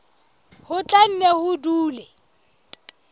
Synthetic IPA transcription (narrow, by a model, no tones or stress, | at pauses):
hʊt͡ɬʼan̩nehʊduːlɛ